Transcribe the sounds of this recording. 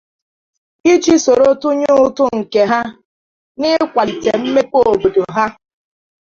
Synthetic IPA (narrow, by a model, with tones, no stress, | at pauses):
i˦t͡ʃi˦so˨ɾo˦tʊ˦ɲʊ˦ʊ˦tʊ˦ŋ̩˨ke˨ɦa˦ | nɪ˦kʷa˨li˨te˨m̩˦me˦po˦o˨bo˨do˨ɦa˦